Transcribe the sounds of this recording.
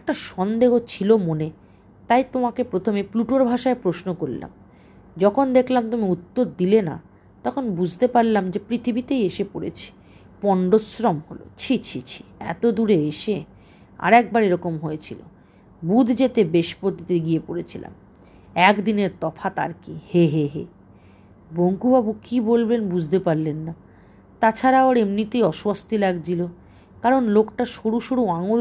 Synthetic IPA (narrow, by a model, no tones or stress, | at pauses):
ɛk̚ʈaʃɔnd̪eɦot͡ɕʰilomone | t̪ajt̪omakepɾot̪ʰomepluʈoɾbʱaʃaepɾoʃnokoɾla̰m | d͡ʑɔkʰond̪ekʰlamt̪omiut̪ːod̪d̪ilena̰ | t̪ɔkʰonbud͡ʑʱt̪epaɾlamd͡ʑepɾit̪ʰibit̪ejeʃepoɾḛt͡ɕʰi̥ | pɔɳɖosɾɔmholo̰t͡ɕʰit͡ɕʰit͡ɕʰi̥ɛ̰t̪od̪uɾeeʃe | a̰ɾɛk̚baɾeɾɔkomɦoet͡ɕʰilo̰ | bud̪ʱd͡ʑet̪ebeʃpɾot̪it̪eɡiepoɾet͡ɕʰila̰m | ɛkd̪ineɾt̪ɔfʰat̪a̰ɾkiheɦeɦe | boŋkubabukibolbenbud͡ʑʱt̪epaɾlenːa | t̪at͡ɕʰaɾaoɾemnit̪ijɔʃwast̪ilaɡd͡ʑilo | kaɾonlokʈaʃuɽuʃuɽuaŋol